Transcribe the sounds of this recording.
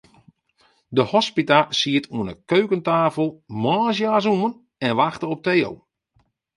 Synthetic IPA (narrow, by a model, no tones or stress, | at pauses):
dəhɔspitasiətʰuənəkøɥkəntaːfəlˠmɔːs̬jaːs̬uən | ɛnʋaxtəɔp̚tejo̰w